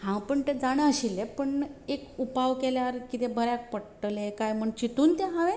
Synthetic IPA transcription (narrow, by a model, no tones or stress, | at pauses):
hãwpəɳt̪ed͡zaɽ̃əəɕilepəɳekupaʋkeljaɾkit̪ebəɾjak̚pəɽʈəlẽkajməɳt͡ɕit̪uːnt̪eɦãʋẽ